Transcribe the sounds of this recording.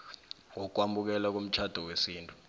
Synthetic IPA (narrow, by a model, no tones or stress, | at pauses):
ŋɔk̬wambʱuk̬ɛlak̬om̩t͡ʃʰad̥ʱɔwesiːntʼu̥